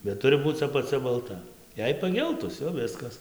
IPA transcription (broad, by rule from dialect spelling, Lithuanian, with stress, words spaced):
bʲɛt ˈtʊrʲɪ ˈbuːt͡s ɐpɐˈt͡sʲɛ bɐlˠˈtɐ ˈjɛɪ pɐˈɡʲɛlˠtʊs jɛʊ ˈʋʲɪskɐs